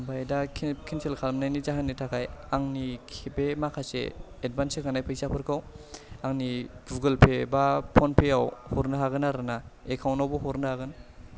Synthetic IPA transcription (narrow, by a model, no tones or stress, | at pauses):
bajdakʰkʰinselkʰalmnajnizaɦanːitʰakʰajaŋnikʰebemakʰasḛ | ed̚bansekanajpʰajsapʰɯɾkʰaw | aŋnibuɡɯlpʰebapʰɔnpʰeawhɔɾnɯɦaɡɯnaɾɯnaekʰawnawbɔɦɔɾnɯhaɡɯn